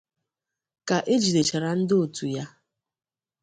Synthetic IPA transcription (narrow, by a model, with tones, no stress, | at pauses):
ka˨ʔe˦d͡ʒi˨de˨t͡ʃa˨ɾa˨n̩˦dɪ˦o˨tu˨ja˦